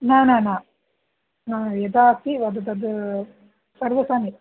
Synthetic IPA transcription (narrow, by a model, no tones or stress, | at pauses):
naːnaːnãː | naːjɛd̪aːsiʋɐd̪ɐd̪ɐd̪ɨ | sɐɾʋɐsaːni